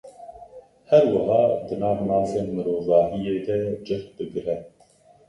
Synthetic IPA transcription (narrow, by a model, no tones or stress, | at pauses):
hɛɾwɐɦɑːd̪ɨnɑːvnɑːseːnmɨɾoːvɑːɦijeːd̪ɛd͡ʒɛx̚bɨɡɾɛ